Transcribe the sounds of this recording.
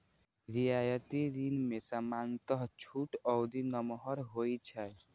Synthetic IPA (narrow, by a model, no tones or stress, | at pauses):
ɾiajət̪iɾinmesamant̪əɦt͡ʃʰuʈɔwd̪inəmɦɔɾɦojt͡ʃʰɛ